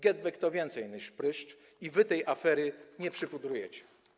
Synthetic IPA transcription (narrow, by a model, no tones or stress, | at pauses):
ɡʲɛd̪̚bɛkt̪ɔvʲjɛnt̪sɛjnɘʂpɾɘʂt͡ʂ | ivɘt̪ɛjʔafɛɾɘɲɛpʂɘpud̪ɾujɛt͡ɕɛ̥